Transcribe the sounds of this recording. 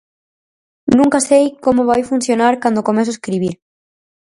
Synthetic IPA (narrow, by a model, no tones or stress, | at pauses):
nũŋkasejkomoβajfunθjonaɾkand̪okomeθ̬oeskɾiβ̞iɾ